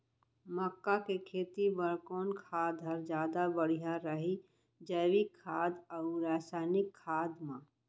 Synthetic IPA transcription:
məkːakekʰeːt̪ibəɾkoːnkʰaːd̪ʱɐɾd͡ʒjaːd̪abəɽ̤ijaɾəɦi | d͡ʒəːʋikʰːaːd̪ɔʊɾaːsaːɪnɪkʰːaːd̪mã

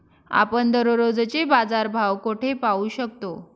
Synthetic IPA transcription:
a̰pəɳd̪əɾoɾod͡zt͡ɕebad͡zaɾbʱawkoʈʰepauːɕək̚t̪o

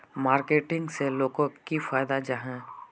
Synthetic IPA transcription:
maːɾkeːʈɪ̃ŋɡseloːɡõkifaːjd̪ad͡ʒaɦɛ̃

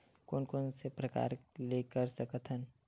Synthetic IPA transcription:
koːnkoːnsepɾɐka̰ːɾleːkəɾsəkət̪ʰən

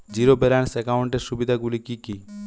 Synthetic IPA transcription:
d͡ʑiɾobeɾansekawɳʈeɾʃubid̪ʱaɡulikiki

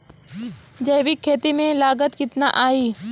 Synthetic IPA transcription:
d͡ʒɐjʋikʰːeːt̪imẽlaːɡət̪kɪt̪naʔaːiː

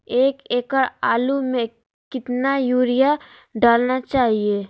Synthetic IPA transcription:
eːkeːkəɾaːlumẽ | kɪt̪najuːɾija | ɖaːlnat͡ʃaːɦieː

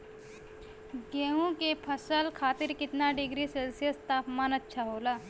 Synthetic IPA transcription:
ɡeːɦũkepʰəsəlkʰaːt̪ɪɾkɪt̪naɖɪɡɾiselsijəst̪aːpmaːnɐtːʃʰaɦoːlaː

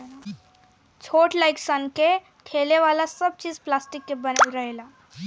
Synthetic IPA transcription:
t͡sʰoʈlajksanke | kʰeleʋalasəb̚t͡ɕiːd͡zplasʈikːip̚bənalɾəɦla

